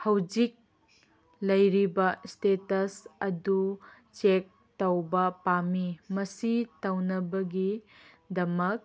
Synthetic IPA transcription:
hɐwd͡ʒik̚ | lɐjɾibɐstetɐsɐdu | t͡ʃek̚ | tɐwbɐpamimɐsitɐwnɐbɐɡi | dɐmɐk̚

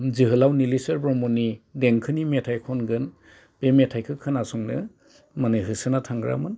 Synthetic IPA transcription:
ziɦɯlawnilisɯɾbɾɔmɔnideŋkʰɯnimetʰajkʰɔnɡɯn | b̥emetʰajkʰɯkʰɯnasɔŋnɯ | manɯɦɯsɯnatʰaŋɡɾa̰mɯn

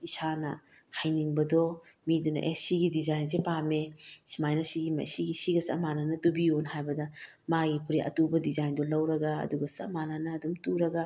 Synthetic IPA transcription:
isanɐ | hajniŋbɐdɔ | midunɐ̰ʔesiɡidizajnzepamesimajnosiɡimɐ̰siɡisiɡɐsɐ̰mananɐtubionhajbɐdɐ | maɡipʰuɾiʔɐ̰tubɐdizajndɔlɐwɾɐɡɐ̰ːduɡɐsɐ̰mananɐːdumtuɾɐɡa

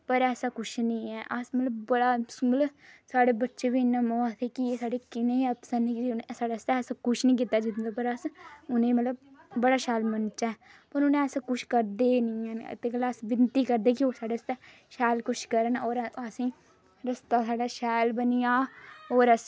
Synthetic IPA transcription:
pəɾɛːsaːkʊʃʰnĩːɛːʔəsmət̪ləbbəɽaːsmət̪ləsaːɽeːbətːʃeːʋiːɪnːaːmɔːt̪ʰɛːkieːsaːɽeːkɪneːəpsəɾnɛkd͡ʒnsaːɖaːst̪ɛɛːsakʊʃʰnĩːk̬iːt̪aːd͡ʒɪnd̪apəɾəsʊnẽːmət̪ləb̚bəɽaːʃɛːlmənt͡ʃaːpəɾʊñɛːsakʊʃʰkəɾd̪eːnĩːɛ̰ːt̪eːkəlaːəsbɪnt̪iːkəɾd̪eːkioːɾsaːɽeːst̪ɛː | ʃɛːlkʊt͡ʃʰkəɾənoːɾəsĩː | ɾəst̪aːsaːɖaːʃɛːjlbəniːjaːoːɾəs

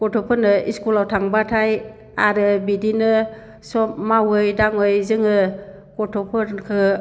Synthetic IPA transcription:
kɔtʰɔpʰɯnɯiskulawtʰaŋbatʰaj | aɾɯbidinɯ | sɔp̚mawɯjdaŋɯjzɯŋɯ | kɔtʰɔpʰɯɾkʰɯ

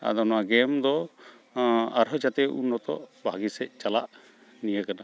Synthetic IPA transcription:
a̰d̪ɔnɔaɡɛmd̪ɔ | aɾɦɔt͡ʃat̪ɛṵnːɔt̪ɔ̰ʔbʱaɡisɛc̚t͡ʃala̰ʔ | nijəkana

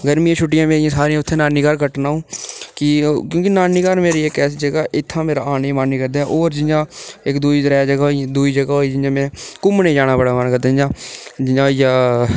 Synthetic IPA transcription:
ɡəɾmĩːjãːʃʰʊʈ̬ːɪjãːmeːɪjãːsaːɾijãːʊt̪ʰːeːnaːniːkaːɾkəʈnaːɦũːkɪkjõːkinaːniːkaːɾmeːɾiːeːkɛːsiːd͡ʒəɡaːʔɪt̪ʰːãːmeːɾaːaːnĩːmaniːkəɾd̪aːʔoːɾd͡ʒɪnd͡ʒãːɪkd̪uːiːd̪əɾɛːd͡ʒəɡaːɦõd̪uːiːd͡ʒəɡaːɦoːiːd͡ʒɪd͡ʒãːmɛ̃ːkʊmnẽːd͡ʒaːnaːbəɽaːmaːnkəɾd̪aːd͡ʒɪãːd͡ʒɪd͡ʒãːijãː

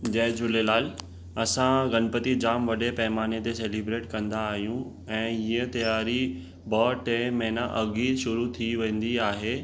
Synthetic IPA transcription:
d͡ʑɐ̃ɦd͡ʑʊlelaːl | ɐsãɡɐnpət̪id͡ʑaːmʋɐɗepɛɦɪmaːnet̪eseːliːbɾeːʈkɐ̃nd̪aːɦijũ | ɛ̃ːiə̃t̪ɐjaːɾi | bɔːʈẽmɐ̃ɦnaʔɐɡiːʃʊɾut̪ʰiʋẽːn̆d̪iaːɦeː

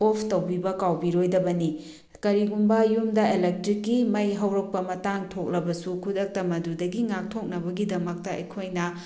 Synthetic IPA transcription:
opʰtɐwbibɐkawbiɾojdɐbɐni | kɐɾiɡumbɐjumdɐelek̚tɾikːimɐjɦɐwɾɐk̚pɐmɐtaŋtʰok̚lɐbɐsukʰudɐk̚tɐmɐdudɐɡiŋak̚tʰok̚nɐbɐɡidɐmɐk̚tɐɐ̰jkʰojnɐ

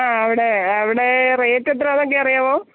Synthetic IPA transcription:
aːɐʋiɽe̞ɐʋiɽe̞reːtːet̪̬ːɾɐaːðokːeɐrijaːʋoː

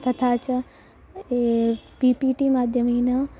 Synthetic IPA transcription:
t̪ʰɐt̪ʰaːt͡ɕɐ | epiːpiːʈiːmaːd̪ʱjəmiːnɐ

